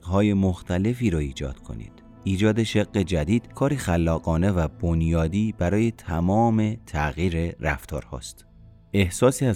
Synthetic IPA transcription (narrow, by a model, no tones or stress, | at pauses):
hɒːje̞moxt̪ʰæle̞fiːɾɒiːd͡ʒɒ̰ːd̪̥kʰo̞̰nḭːd̪̥ | iːd͡ʒɒːd̪e̞ʃeɣːe̞d͡ʒæd̪iːd̪̥kʰɒːɾiːxælːɒːɣɒːne̞væbonjɒːd̪iːbæɾɒːje̞t̪ʰæmɒːme̞t̪ʰæɣiːɾe̞ɾæ̰ft̪ʰɒ̰ːɾhɒ̰ːst̪ | e̞hsɒːsiːæ